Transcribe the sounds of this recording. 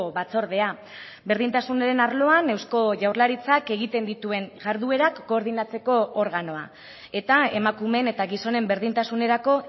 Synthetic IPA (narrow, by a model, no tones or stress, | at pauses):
βat͡so̞ɾðe̞a | be̞ɾðint̪asuneɾe̞naɾlo̞ane̞wsko̞ʝawɾlaɾit͡sake̞ɣit̪e̞nd̪it̪ue̞ŋʝaɾðue̞ɾakːo̞ːɾðinat͡se̞ko̞ːɾɣano̞a̰ | e̞t̪ae̞makume̞ne̞t̪aɣiso̞ne̞mbe̞ɾð̞int̪asune̞ɾako̞